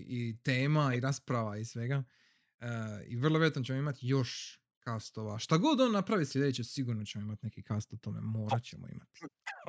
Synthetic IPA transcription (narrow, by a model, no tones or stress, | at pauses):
it̪eːmaiɾaspɾaʋaisʋe̞ɡa | əḭʋr̩lˠoʋejat̪not͡ɕe̞moimat̪jo̞ʃ | kast̪oʋaʃt̪aɡo̞d̪onːapɾaʋislʲed̪et͡ɕesiɡuɾnot͡ɕemo̞imat̪nekikast̪ot̪ome̞̰mo̞ːɾat͡ɕemo̰ḭmat̪i̥